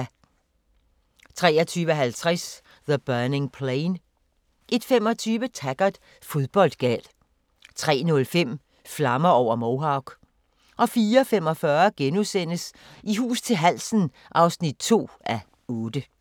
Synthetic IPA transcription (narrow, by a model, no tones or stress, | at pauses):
t͡sʰʁɛːɐt͡sʰyːʋəɦælt͡sʰʁɛs | ðəb̥œɐne̝ŋpʰleɪn | ʔe̝d̥fem̰ɒ̽t͡sʰyːʋət͡sʰæɡ̥ɐd̥ | fo̝ðˠb̥ɒ̽l̰d̥̚ɡ̥ɛ̰l | t͡sʰʁɛ̰ːnɔ̽lfem̰ | flɑ̈mɐɒʊ̰ɐmoʊɦɑ̈ʊɡ̥ | ʔɒ̽fiːɐfem̰ɒ̽fɶɐɡ̥enusen̰əs | ʔiɦṵːst͡sʰe̝lɦæl̰sn̩ | ʔɑ̈ʊsnid̥̚t͡sʰo̝̰ːæ | ɔːd̥ə